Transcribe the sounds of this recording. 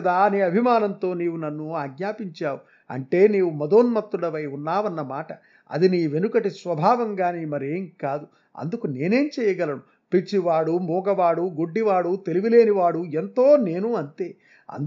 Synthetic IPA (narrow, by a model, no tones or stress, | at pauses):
ɐd̪aniɐbʱimaːnɐnt̪o̞ːniːwunɐnːuaːɡɲaːpiɲt͡ʃaːwu | ɐ̰ɳʈe̞ːneːʋumɐd̪o̞ːnmɐt̪ɾuɽɐʋɐjunːaːʋɐnːɐmaːʈɐ | ɐ̰d̪iniːʋe̞nukɐʈisʋɐbʱaːʋɐŋɡaːneːmɐɾeːŋkaːd̪u | ɐ̰nd̪ukune̞ːne̞ːmt͡ʃɛːjɐɡɐlɐnu | pit͡ʃiʋaːɽumuːɡɐʋaːɽuɡoɖːiʋaːɽut̪e̞liʋile̞ːniʋaːɽue̞nt̪o̞ːne̞ːnuɐnt̪e̞ː | ɐ̰nd̪